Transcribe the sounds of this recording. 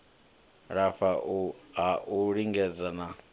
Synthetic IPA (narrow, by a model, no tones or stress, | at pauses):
ɾafaɦaʔuɺiŋɡɛd͡zana